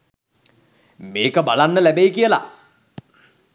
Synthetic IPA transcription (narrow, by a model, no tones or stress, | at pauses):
meːkəbalanːəlæbejkijəla̰